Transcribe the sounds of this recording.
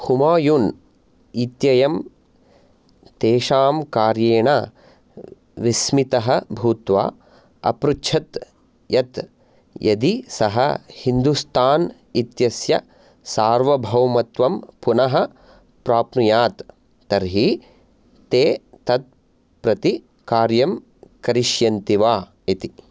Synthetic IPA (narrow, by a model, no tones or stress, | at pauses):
humaːjun | it̪jɐjɐm | t̪eːʃaːmkaːɾjeːɳa | ʋismit̪ɐɦɐbʱuːt̪ʋa̰ː | ɐ̰pɾuʃʰɐt̪ | jɐt̪ | jʔɐd̪isɐɦɐhind̪ust̪ʰaːn | it̪jɐsjɐ̰ | saːɾʋɐbʱɐwmɐt̪ʋɐmpunɐɦɐ̆ | pɾaːpnujaːt̪ː | ɐɾɦi | t̪eː | t̪ɐt̪̚ | pɾɐt̪i | kaːɾjɐm | kɐɾiʃjɐnt̪iʋaː | it̪i